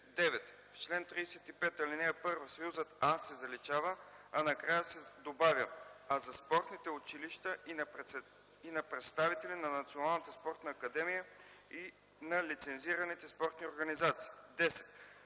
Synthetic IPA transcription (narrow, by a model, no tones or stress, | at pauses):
d̪ɛvɛt̪ | ft͡ʃlɛnt̪ɾiːsɛt̪ipɛt̪ɐlinɛɛpɤɾvəsɐjuzət̪asːɛzɐlit͡ʃavəɐnɐkɾajəsɛd̪obavʲəazɐspɔɾt̪nit̪ɛʊt͡ʃiliʃt̪ə | inɐpɾɛt̪st̪avit̪ɛlinɐnɐt̪sionalˠnət̪əspɔɾt̪nəːkɐd̪ɛmijəi | nɐlit̪sɛnziɾɐnit̪ɛspɔɾt̪nioɾɡɐnizat̪si̥ːd̪ɛsɛ̥t̪